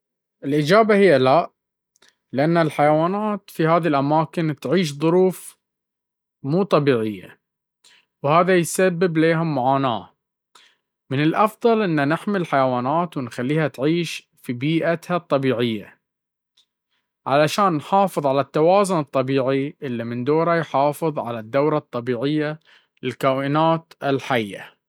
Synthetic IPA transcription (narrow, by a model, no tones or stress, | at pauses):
ʔɪlʔɪd͡ʒaːbahɪjːalaʔ | lɪʔanːalħajawaːnaːt̪fihaːðilʔamaːkɪnt̪ʕiːʃ̬ðˤʊɾuːf | muːt̪ˤɑbiːʕɪjːa̰ | whaːðajsabːɪbleːɦʊmːʊʕaːna̰ː | mɪnɪlʔɑfðˤɑlʔɪnːanɪħmɪlħajawaːnaːt̪wɪnxalːiːhat̪ʕiːʃ | fibiːʔat̪hat̪ˤːɑbiːʕɪjːa̰ | ʕalaʃaːnːħɑːfɨðˤʕalat̪ːawɑːzʊnɨt̪ˤːɑbiːʕiʔɪlːimɪnd̪oːɾajħɑːfɨðˤʕa̰lad̪ːawɾˤɑt̪ˤːɑbiːʕɪjːa | lɪlkaːʔɪnaːt̪ɪlħajːa̰